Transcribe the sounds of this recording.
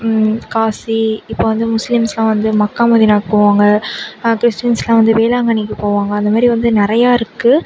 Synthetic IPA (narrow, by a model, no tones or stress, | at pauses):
kaːsiɪpːoːʋɐnd̪ɯmʊslɪmslãːʋɐnd̪ɯmɐkːaːmɐðɪnaːkɯpːoːʋaːŋɡɐkɪɾɪsʈɪjɐnslãːʋɐnd̪ɯʋeːlaːŋɡɐɳɪk̬ːɯpoːʋaːŋɡɐɐnd̪ɐmaːɾiʋɐnd̪ɯnɪɾɐjaːɪɾɯkːɯ